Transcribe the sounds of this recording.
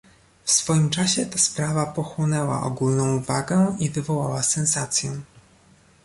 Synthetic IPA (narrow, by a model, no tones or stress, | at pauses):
fsfɔjimt͡ʂaɕɛt̪aspɾavapɔxwɔnɛwa̰ʔɔ̰ɡulnɔ̃w̃vaɡɛivɘvɔwawasɛnsat̪sʲjɛ